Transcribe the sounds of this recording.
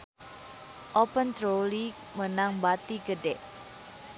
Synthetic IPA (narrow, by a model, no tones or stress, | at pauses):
ʔɔpənt̪ɾoli | mənaŋbat̪iɡədɛʔ